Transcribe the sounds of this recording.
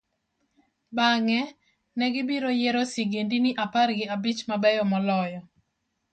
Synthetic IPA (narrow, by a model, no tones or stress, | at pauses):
baŋɛ | nɛɡɪbiɾojɛɾɔsiɡendinɪʔaparɡɪabit͡ʃmabɛjɔmɔlɔjɔ